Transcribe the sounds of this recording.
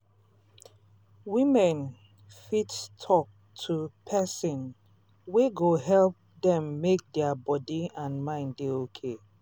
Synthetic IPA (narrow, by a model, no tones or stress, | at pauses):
wimɛ̃n | fitstʰɔk̚ | tʰupʰɛsɔ̃n | weɡoɦɛlp̚dɛ̃mːek̚dɛabɔdiãnmãɪ̃nddeokʰe